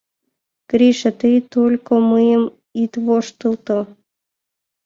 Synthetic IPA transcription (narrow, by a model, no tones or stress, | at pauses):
kɾʲiʃət̪ɨjt̪olʲkomɨjəm | it̪βoʃt̪ɨlˠt̪o